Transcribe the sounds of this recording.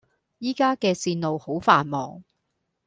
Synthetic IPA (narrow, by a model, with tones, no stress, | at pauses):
jiː˥kaː˥kɛː˧siː˧nnlo˨who˨˥wfaː˨˧nmɔ̰ː˨ŋ